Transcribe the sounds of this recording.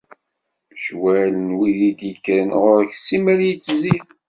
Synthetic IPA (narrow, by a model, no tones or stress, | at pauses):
ʃwælənwiðid̪ikːænʁʊɾçsimæɾjit͡sːzið